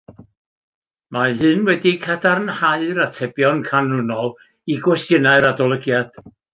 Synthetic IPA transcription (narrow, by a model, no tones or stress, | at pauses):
mahɨnwɛdikʰadarnhaɨɾatʰɛbjɔnkʰanʊnɔlˠ | iɡwɛstənaɨɾadɔlˠəɡjad̥